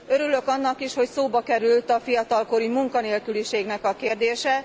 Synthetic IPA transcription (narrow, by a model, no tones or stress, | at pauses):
øɾylø̞kɒnːɒkiʃho̞csoːbɒkɛɾylt̪ɒfijɒt̪ɒlko̞ɾimuŋkɒneːlkyliʃeːɡnɛkɒkeːrd̪eːʃɛ